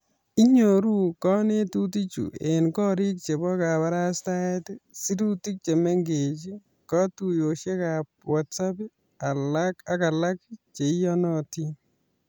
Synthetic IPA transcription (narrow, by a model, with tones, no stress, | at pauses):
i˦ɲo˨ɾu˦kɔ˦ne˦tu˦ti˦t͡ʃṵ˨ḛ˨nkɔ˦ɾi˦k̚t͡ʃe˨bɔ˦ka˨pa˦ɾa˦sta˦ɛ˦ti˦si˦du˦ti˦k̚t͡ʃe˨me˦ŋɡe˨t͡ʃi˦ | kɔ˦tu˨jo˨ʃe˦ka˨p̚wa˨tsa˦pi˦ | a˨laka˨ka˨la˦kt͡ʃe˨˦jɔ˦nɔ˦ti˦